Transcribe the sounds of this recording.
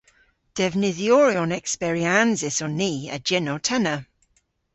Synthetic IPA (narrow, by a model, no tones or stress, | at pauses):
d̥ɛvnɪðjɔɹiɔnɛksbɛɹianzɪsɔniːə̰d͡ʒɪnɔtʰɛnə